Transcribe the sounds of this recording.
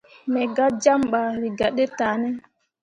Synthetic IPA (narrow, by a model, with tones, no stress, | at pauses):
mɛ˨ɡa˦d͡ʒa˦mɓa˨ɾi˨ɡa˨ɗɛ˦taː˨nɛ˦